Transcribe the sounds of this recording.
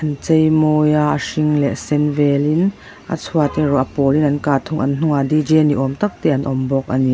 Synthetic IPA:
ʔɐnt͡sɛjmɔːjaʔʂiŋlɛʔsɛnvɛlin | ʔa̰t͡sʰuat̪ɛrɔʔpɔːlinʔɐnkaːt̪ʰʊŋʔɐnn̥uŋadid͡ʒɛniʔɔmt̪ɐk̚t̪ɛːʔɐnʔɔmbɔk̚ʔani

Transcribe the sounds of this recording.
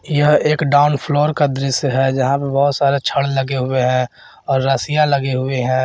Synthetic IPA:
jəɦeːkɖaːʊnpʰloːɾkad̪ɾɪsjɦɛd͡ʒɐɦãpebɔɦʊt̪saːɾet͡ʃʰəɽləɡeɦʊeɦɛ̃ | ɔːɾːaːsijaləɡeɦʊeɦɛ̃ː

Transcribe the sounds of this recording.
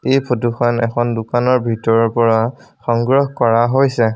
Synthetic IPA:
ejpʰotuxʰanɛ̰kʰɔndʊkanɔɹbʱitɔɹɔɹpɔɹaxɔŋɡɹɔɦkɔɹaɦojsɛ

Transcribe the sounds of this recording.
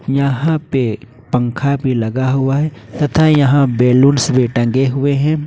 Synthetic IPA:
jɐɦãpe | pɐ̃ŋkʰabʱilɐɡaɦʊaɦɛt̪ɐt̪ʰajɐɦãbeːluːnsbʱeʈɐ̃ŋɡeɦʊeɦɛ̃ː

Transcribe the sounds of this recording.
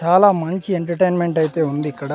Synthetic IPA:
aːlaːmɐɲt͡ʃieɳʈɐɾʈejnmeɳʈɐjit̪e̞ːund̪iikːɐɽ

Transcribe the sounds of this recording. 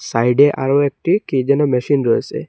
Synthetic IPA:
sajɖeʔa̰ɾoek̚ʈikid͡ʒɔnɔmɛsinɾɔsɛ̰

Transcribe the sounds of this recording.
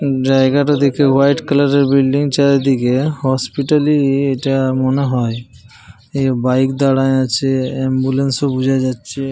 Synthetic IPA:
d͡ʑaeɡaʈad̪ikewajʈkəlaɾeɾbilɖiŋt͡ʃaɾed̪ikehɔspiʈalieʈamɔneɦɔj | ebajkd̪aɽaeat͡ʃʰeembulensobud͡ʒʱajd͡ʒatːʃʰe

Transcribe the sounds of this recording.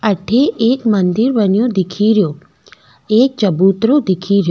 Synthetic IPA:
əʈʰeeːkmənd̪iɾbənjod̪ɪkʰiɾjo | eːk̚t͡ʃəbut̪ɾod̪ɪkʰiːɾjo

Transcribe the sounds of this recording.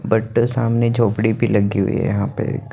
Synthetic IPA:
bɐʈsaːmned͡ʒʱoːpɽibʱilɐɡḭɦʊ̰ḭɦɛ̰jɐɦãpḛk

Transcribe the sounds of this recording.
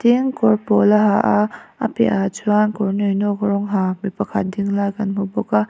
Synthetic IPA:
tiŋkɔɾpɔlaɦaʔaa̰pḛʔat͡ʃʰuankɔɾnɔjnɔkɾɔŋɦamipakʰadiŋlaɡanmubɔka

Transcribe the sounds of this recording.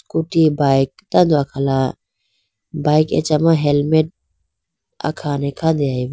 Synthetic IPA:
kuʈibajk̚t̪ãd̪wakʰala | bajkḛt͡ʃamaɦelmeʈ̚ | a̰kʰanekʰad̪eaj

